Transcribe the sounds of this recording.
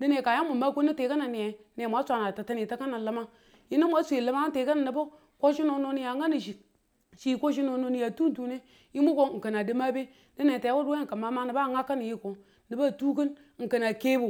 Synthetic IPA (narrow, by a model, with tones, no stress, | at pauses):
di˦ne˨ka˨ja˦mu˨ma˦ko˦ni˦te˨ka˦na˨ni˨je˨ | ne˨mʷ˨a˨˦sʷa˨na˨ta˨ta˦ni˨ta˦ka˦na˨lə˦ma˦ | ji˦ni˦mʷa˦sʷe˨lə˦ma˦te˨˦ka˦na˨ni˨bo˦ | ko˦ʃi˦no˦no˦ni˦ja˨ŋa˦ni˨ʃi˨ | ʃi˦˨ko˦ʃ̬i˦no˦no˦ni˦ja˨tu˦n˦tu˦ne˦ | ji˦mu˦ko˦˨ŋ̩˨kə˨na˨di˦ma˦be˦ | di˦ne˨ta˨˦wo˦dwe˦ŋ˨ka˨ma˦ma˦ni˨ba˦˨ŋa˦kːa˦ni˨ji˦ko˨ | ni˨ba˦˨tu˦k̬i˦n˦ | ŋ̩˨kə˨na˨ke˦bu˨